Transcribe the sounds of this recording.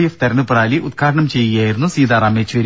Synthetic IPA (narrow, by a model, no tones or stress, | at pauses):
jeft̪ɐɾɐnupːɐraːliʔut̪̚kʰaːɾɐɳɐmt͡ɕe̞jːijaːjiɾunːusiːd̪aːraːmeːt͡ɕːuʋɐɾ